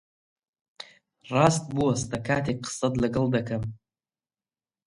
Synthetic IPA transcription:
rastʼbuastakʰatʰik̚qʰsadlaɡɨldakʰam

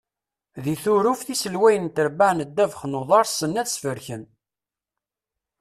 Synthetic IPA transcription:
ðiθʊɾufθisəlwæjənt̪əɾbaʕnəd̪ːævχnoðˤɑɾˤsənːæðsfəɾçən

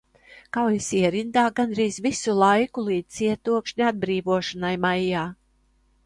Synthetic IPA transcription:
kawjisiɛɾind̪aːɡanɾiːzvisulˠajkulˠiːd̪siɛt̪uɔkʃɲʲad̪̚bɾiːvuɔʃanajmajːaː

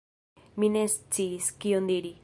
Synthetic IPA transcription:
minest͡siskiond̪iɾi

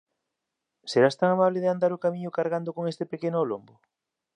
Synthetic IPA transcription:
seɾast̪aŋamaβlɪðɪand̪aɾʊkamiɲʊkaɾɣand̪ʊkoŋest̪epekenʊalombʊ

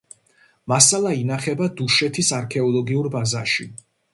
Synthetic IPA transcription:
masalˠainaχɛbad̪uʃɛt̪ʰisaɾkʰɛɔlˠɔɡiuɾbazaʃi

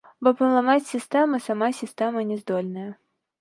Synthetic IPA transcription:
bɔpənlˠamat͡sʲsʲɪst̪ɛmɐsamasʲɪst̪ɛmɐnʲɪzd̪ɔlʲnəjɐ

